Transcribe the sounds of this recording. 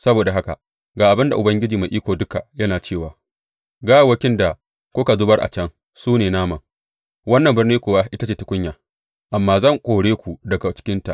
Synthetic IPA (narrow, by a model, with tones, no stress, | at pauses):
sɐ˦boː˨da˨ɦa˦ka̰˨ | ɡaː˨ʔa˨bɪ˦nda˨ʔʊ˨bɐ˦ŋɡʲɪ˦d͡ʒiː˨ma˨ʔiː˦kʷoː˨dʊ˦ka˨jɐ˦naː˨t͡ʃeː˦˨waː˨ | ɡaː˦˨wɐ˦kʲɪ˦nda˨ | kʷoː˦ka˨zʊ˦bɐ˦rʔa̰˨t͡ʃɐ˦ŋ | suː˦neː˨naː˦mɐ˨ŋ | wɐ˦nːɐ˨mbɪ˦rniː˦kʷoː˨wa˦ʔɪ˦ta˦t͡ʃeː˨tʊ˦kʷʊ˦ɲjaː˨ | ʔa˨mːaː˦zɐ˦˨ŋkʷʼoː˨ɽeː˦kʷu˨dɐ˨ɡa˨t͡ʃɪ̥˦kʲɪ˦nta̰˨ʔ